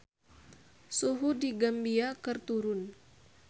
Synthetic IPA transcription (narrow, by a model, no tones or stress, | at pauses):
suɦudiɡambiakərt̪uɾʊn